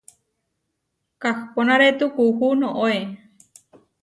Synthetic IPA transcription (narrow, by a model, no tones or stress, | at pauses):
kaxponaɾet̪ukuhunoʔoe